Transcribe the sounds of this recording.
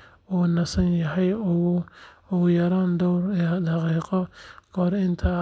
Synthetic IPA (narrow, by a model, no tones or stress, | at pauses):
ɔːnɐsɐnjɐɦɛj | ɔjɐɾaːnd̪ɔwɾɛd̪ɑqiːqɔkʰɔːɾɪnt̪ʰɐ